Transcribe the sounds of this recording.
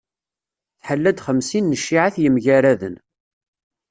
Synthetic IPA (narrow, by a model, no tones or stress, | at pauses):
θħəlːæd̪χəmsinːəʃːiʕaθjəmʝæɾæðə̰n